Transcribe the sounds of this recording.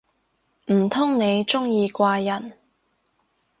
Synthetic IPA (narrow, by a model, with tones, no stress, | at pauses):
m̩˨˩t̪ʰʊ˥ŋne˨˧jt͡sʊ˥ŋjiː˧kʷaː˧jɐ˨˩n